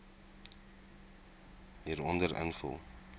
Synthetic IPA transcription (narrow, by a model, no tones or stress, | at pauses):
ɦiːɾɔndəɾə̰nfə̰lˠ